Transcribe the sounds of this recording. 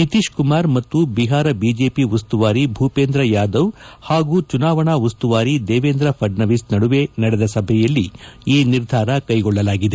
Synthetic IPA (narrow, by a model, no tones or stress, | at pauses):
nit̪iːʃkumaːɾmɐt̪ːubiɦaːɾɐbid͡ʒeːpiʋɐst̪uʋaːɾibʱuːpeːnd̪ɾɐjaːd̪ɐwhaːɡuːt͡ʃunaːʋɐɳaːʋust̪uʋaːɾid̪eːʋeːnd̪ɾɐpʰɐɖnɐʋisnɐɽuʋenɐɽɛd̪ɐsɐbʱɛjɐlːiiːniɾd̪ʱaːɾɐkɐjɡɔɭːɐlaːɡid̪e